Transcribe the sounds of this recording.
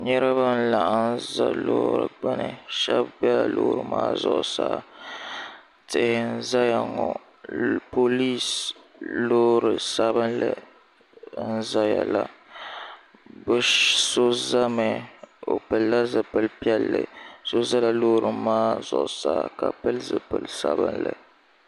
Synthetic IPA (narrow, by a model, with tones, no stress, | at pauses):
ɲɛ˦ɾɨ˦βa˦n̩˦la˨ʔa˨n˦za̰˦loː˦ɾɨ̰˨ɡ͡ba˦nɨ̰˨ʃɛ˦bbɛ˦la˨loː˦ɾɨ˦ma̰ː˦zʊ̰˨ʔʊ˨sa̰ː˦˨ | tɨ˨n̩˦za˦ja˨ŋɔ˨ | po˦li˦s | loː˦ɾɨ˨sa˦bɨ˦nlɨ˨˦ | n̩˦za˦ja˨la˨ | bɨ˦so˦za˦mɛ˨o˨pɨ˨lːa˦zɨ˨pɨ˨lpi˦ɛ˦lːɨ̰˨so˦za˦la˨loː˦ɾɨ˦maː˦zʊ˨ʔsaː˦ka˨pɨ˦lzɨ˨pɨ˨lsa˦bɨ˦nlɨ˨